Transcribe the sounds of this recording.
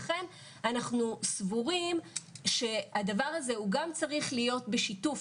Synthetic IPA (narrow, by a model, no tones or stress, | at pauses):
χe̞m | anaχnusvuʁimʃe̞adavaʁaze̞uɡamt͡saʁiχlijo̞tbe̞ʃituf